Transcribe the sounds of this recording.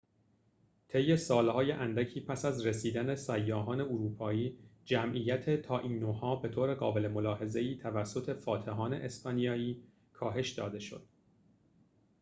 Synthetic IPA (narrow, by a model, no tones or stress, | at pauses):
t̪ʰe̞jːe̞sɒːlhɒːjeʔænd̪æcʰiːpʰæsæzɾe̞siːd̪æne̞sæjːɒːɦɒːne̞oɾuːpʰɒːiːd͡ʒæmʔiːjæt̪ʰet̪ʰɒːʔiːnːohɒːbe̞t̪ʰoːɾe̞ɣɒːbe̞le̞mo̞lɒːɦe̞ze̞iːt̪ʰævæsːo̞t̪ʰe̞fɒːt̪ʰeɦɒːne̞̰ʔespɒːnijɒːiː | kʰɒːɦe̞ʃd̪ɒːd̪e̞ʃo̞̰d̪̥̚